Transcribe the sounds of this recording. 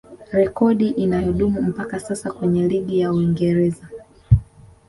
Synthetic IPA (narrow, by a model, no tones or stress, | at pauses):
ɾɛkɔɗiʔinajɔɗumum̩pakasasakwɛɲɛliɠijauiŋɡɛɾɛza